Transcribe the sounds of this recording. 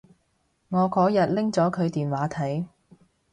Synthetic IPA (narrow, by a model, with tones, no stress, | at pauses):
ŋɔː˨˧kɔː˨˥jɐ˨t̚lɪ˥ŋt͡sɔː˨˥kʰɵ˨˧ɥt̪iː˨nwaː˨˥t̪ʰɐ˨˥j